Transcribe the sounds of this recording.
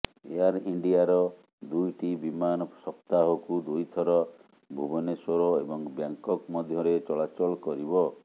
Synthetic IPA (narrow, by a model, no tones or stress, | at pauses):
ḛaɾiɳɖiaɾɔ | d̪ujʈibimanɔsɔpt̪aɦɔkud̪ujt̪ʰɔɾɔ | bʱubɔnesoɾoebɔŋbjaŋkɔkmɔd̪ʱjɔɾet͡ʃɔɭat͡ʃɔlkɔɾibɔ